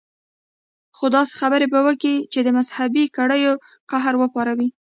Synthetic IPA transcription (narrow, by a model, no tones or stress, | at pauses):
xod̪ɑse̥xabəɾebəwəkit͡ʃed̪əmazhabikaɽəjo | kaɦaɾwəpɑɾawi